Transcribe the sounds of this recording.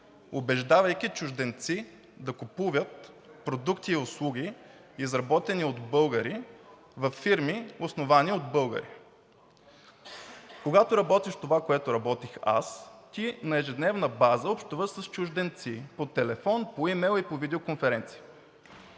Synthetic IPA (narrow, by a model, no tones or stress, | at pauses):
obɛʒd̪avəjkʲit͡ʃʊʒd̪ɛnt̪si | d̪ɐkʊpuvʲjət̪̚ | pɾod̪ukt̪iːʊslˠuɡʲi | izɾɐbɔt̪ɛniod̪bɤlˠɡəɾi | vɐfːiɾmiʊsnovaniod̪bɤlˠɡə̰ɾḭ | koɡat̪oɾɐbɔt̪iʃt̪ovakoɛt̪ʊɾɐbɔt̪ixa̰st̪inɐɛʒɛd̪nɛvnəbazəopʃt̪ovəʃsəst͡ʃʊʒd̪ɛnt̪sipot̪ɛlɛfɔnpoimɛlˠipovid̪ɛokonfɛɾɛnt̪si̥ə